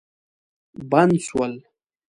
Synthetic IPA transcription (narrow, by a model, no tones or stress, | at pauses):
banswal